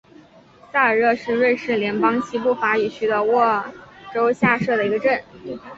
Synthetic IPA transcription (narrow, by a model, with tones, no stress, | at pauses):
sa˥˩ə˞˨˩ɤ˥˧ʂɻ̩˥˧ɻwə˥˧nʂɻ̩˥˩ljɛ˧˥npɑ˥ŋɕi˥pu˥˩fa˧˥i˨˩t͡ɕʰy˥d̪ə˧wɔ˥˩ʈ͡ʂo˥ʊɕja˥˧ʂɤ˥˩d̪ə˩i˧˥ɡə˧ʈ͡ʂə˥˩n